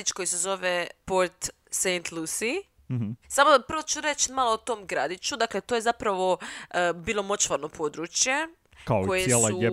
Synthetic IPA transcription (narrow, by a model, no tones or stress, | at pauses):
it͡ʃko̞jisezo̞ʋepo̞ɾt̪ | sejnt̪lˠusi | samopɾʋot͡ʃuɾet͡ʃmalˠoːt̪o̞ːmɡɾa̰ːd̪it͡ʃud̪akle̞t̪ojezapɾaʋo̞biːlˠo̞mo̞t͡ʃʋaɾno̞pʰo̞d̪ɾut͡ʃje̞ | kaokojejelau